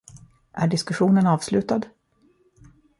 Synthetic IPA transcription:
ʔæɖɪskɵɧuːnənɑːvslʉ̟ːt̪ad̪

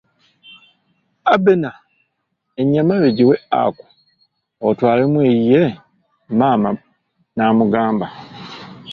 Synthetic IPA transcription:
abena | eɲamaβeɟiwea̰ku̥ | otwaːlemweːjije | maːma | naːmuɡaːmba

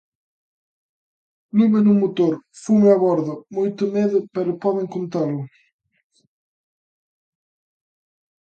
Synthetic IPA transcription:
luβenumot̪oɾfumɪaβɔɾðʊmojt̪ʊmeðʊpɛɾʊpɔðeŋkont̪alʊ

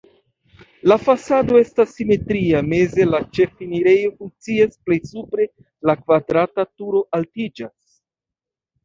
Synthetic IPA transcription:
lafasado̞e̞stasːime̞tɾiame̞ze̞lat͡ʃe̞finiɾe̞jo̞fuŋ̚t͡siasple̞jsupɾe̞ | lakvadɾatatuɾo̞ʔaltid͡ʒas

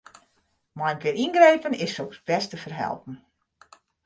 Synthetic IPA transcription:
majnkɪinɡrejpənɪssoksbɛstəfərɦɛ̰lˠpn̩

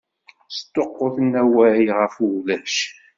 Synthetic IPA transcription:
st̪ːoqːoθənːæwæʕjʁəfulæʃ

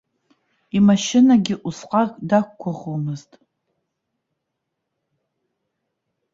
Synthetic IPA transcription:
imɐʃɪnaɡʲɪʔʷʊsqʼɑkʼdakʷkʷʰːʊχʊmɨztʼ

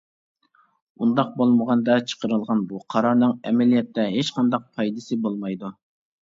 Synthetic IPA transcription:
und̪ɑq̚bolˠməʁɑnd̪ɑt͡ʃʰə̥qʰəɾɨlˠʁɑnbuqʰɑɾɑɾnɨŋɛmɛlijɛt̪ʰːɛɦet͡ʃqʰɑnd̪ɑq̚pʰɑjd̪ɨsɨbolˠmɑjd̪u

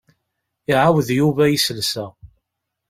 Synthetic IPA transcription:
iʕawðjuvæjisəlsæ

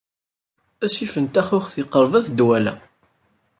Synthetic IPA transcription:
æsifənt̪æχʊχθɪqəɾˤvæθd̪wælæ̰

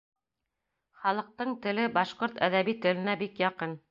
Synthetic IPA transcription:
χɑlˠɤ̆q̚t̪ɤɴt̪ɘ̆lɘbɑʃqoɾt̪æðæβit̪ɘ̆lɘ̆næbikjɑqɤn

